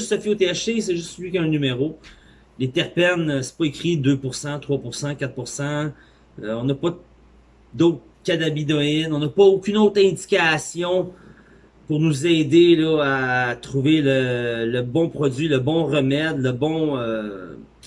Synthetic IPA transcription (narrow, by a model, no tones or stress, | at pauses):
ʒst̪sɔfiot̪eaʃesɛʒʏst̪səlɥikʲɛ̃nymeʁo | let̪ɛʁpɛnsɛ̥pɔekʲʁid̪øpuʁsɑ̃t̪χwapuʁsɑ̃kʲat̪̚puʁsɑ̃ | øɔ̃nɐpɔ | d̪ɔt̪ | kʲad̪abid̪ɔɪnɔ̃nɐpɔokʲynot̪χɛ̃d͡zi̥kʲasjɔ̃ | puʁnuzɛːd̪elɔat̪χuvelələbɔ̃pχɔd͡zɥiləbɔ̃ʁəmɛd̪ləbɔ̃ø